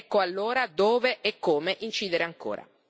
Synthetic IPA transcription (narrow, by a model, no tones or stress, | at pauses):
kːoalːoːɾad̪oːveʔɛkːoːmeʔint͡ʃiːd̪eɾeaŋko̰ːɾa̰